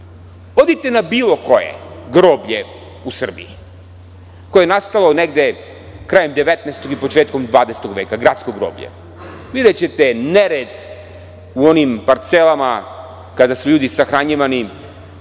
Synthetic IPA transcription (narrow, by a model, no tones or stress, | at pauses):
od̪it̪e̞nabiːlˠo̞ko̞jḛɡɾoːbʎe | usr̩bḭḭ | koeenast̪alˠo̞neɡd̪e̞ | kɾaːjemd̪eʋet̪nɛest̪o̞ɡipo̞t͡ʃeːt̪komd̪ʋaːd̪est̪oɡʋeːkaɡɾat̪skoɡɾo̰ːbʎḛ | ʋid̪et͡ɕet̪eneɾed̪ | uo̞nimpaɾt̪selˠama | kad̪asuʎuːd̪isaxɾaɲiʋani